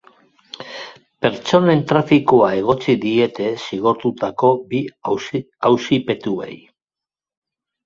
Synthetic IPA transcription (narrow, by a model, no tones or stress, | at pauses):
pe̞ɾt͡so̞ne̞nt̪ɾafikoae̞ɣ̞o̞t͡siðie̞t̪e̞siɣ̞o̞ɾt̪ut̪ako̞bi | awsipe̞t̪ue̞̰j